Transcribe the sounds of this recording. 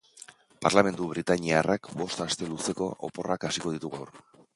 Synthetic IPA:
paɾlame̞nd̪uβɾit̪aɲiarakbo̞st̪ast̪e̞luse̞ko̞ʔo̰po̞rakasiko̞ð̞it̪uɣawɾ

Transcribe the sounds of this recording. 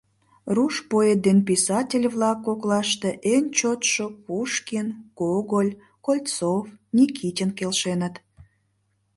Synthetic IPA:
ruʃpoet̪̚d̪enpisɑtʲelʲβlɑkːoklɑʃt̪eʔent͡ɕot̪ʃopuʃkinkoɣolʲ | kolʲtt͡sofnʲikʰitʲənkelʃenət̪

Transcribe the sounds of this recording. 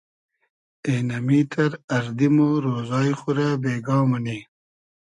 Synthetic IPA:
eːnɐmiːt̪ʰɐɾɐɾd̪imoɾoːzɑːjχuɾabeːɡɑːmɐni

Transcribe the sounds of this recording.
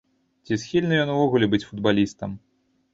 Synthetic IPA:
t͡sʲisxʲilʲnɨjɔnuvɔɣulʲɛbɨt͡sʲfud̪balʲist̪ɐm

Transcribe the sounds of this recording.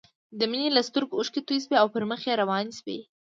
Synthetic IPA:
d̪əminelast̪ʊɾɡʊʃkit̪us̬beawpəɾməxjeɾawɑnisbḛ

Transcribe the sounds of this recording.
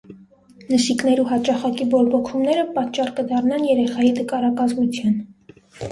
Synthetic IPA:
nəʃiknɛɾiɦɑt͡ʃɑχɑkibɔɾbɔkʰumnɛɾəpɑt̪̚t͡ʃːɑrkəd̪ɑrnɑnjɛɾɛχɑjit̪əkɑɾɑkɑzmut͡sʰjɑn

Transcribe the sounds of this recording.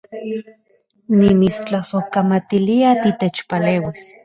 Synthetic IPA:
nimit͡st͡ɬasohkamat̪iliat̪it̪et͡ʃpaleːwis

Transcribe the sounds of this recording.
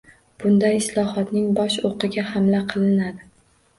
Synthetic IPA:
b̥ʊnd̪ajɪslˠɒhɒt̪nɪŋbɒʃoqɨɡʲahamlaqʰɨlˠɪnad̪ɪ

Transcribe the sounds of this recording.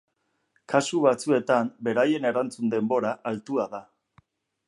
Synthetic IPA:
kasuβat͡sue̞t̪ambe̞ɾaje̞ne̞ɾant͡sund̪e̞mbo̞ɾaʔalt̪uaða

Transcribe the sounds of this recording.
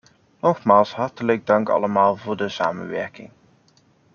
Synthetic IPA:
nɔχmaːlˠsɦɑɹtələɡ̚dɑŋkɑ̰ləmaːlˠvʊːɹdəsaːmə̰nʋɛɹkɪ̰ŋ

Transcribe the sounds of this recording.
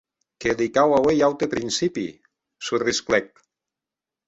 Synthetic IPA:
kelikawawejawt̪epɾinsipḭ | surisklɛk̚

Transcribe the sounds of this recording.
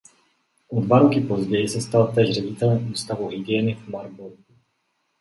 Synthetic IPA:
ʔodvaɾokɪpo̞zɟɛjɪsɛst̪alt̪ɛːʒr̝ɛɟɪt̪ɛlɛmuːst̪avuɦiɡɪjɛːnɪvmaɾbolku

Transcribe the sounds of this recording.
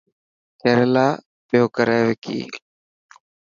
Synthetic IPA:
t̪ʰeːɾelaː | pjoːkəɾɛːʋekʰḭː

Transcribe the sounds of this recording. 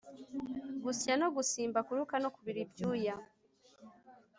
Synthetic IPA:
ɡusjano̞ɡusiːmbakuɾukano̞kuβiɾibjuːja

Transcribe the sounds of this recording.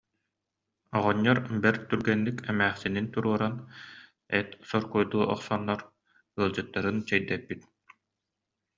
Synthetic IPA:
ɔʁɔɲːɔɾbɛɾt̪yɾɡɛnːikʰɛmæːχsinint̪uɾuɔɾan | ɛt̪sɔɾkujd̪uːʔɔ̰χsɔnːɔɾ | ɯɐlˠd͡ʑɯt̪ːaɾɯnt͡ɕɛjd̪ɛpːit̪̚

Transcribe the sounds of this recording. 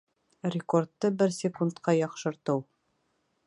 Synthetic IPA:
rʲɪkort̪ːɤbɘɾsʲɪkunt̪qɑjɑqʃɤ̆ɾt̪ɤw

